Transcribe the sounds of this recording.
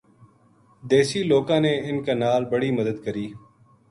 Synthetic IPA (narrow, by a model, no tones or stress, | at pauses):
d̪eːʃiːloːkãːneːɪnkaːnaːlbəɽiːməd̪əd̪kəɾiː